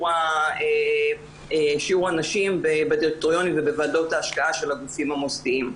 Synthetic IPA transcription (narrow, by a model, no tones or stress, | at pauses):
ae | eʃiuʁanaʃimbebediʁk̚t̪oʁjo̞nivebevado̞taːʃkaaʃe̞laɡufimhamostiim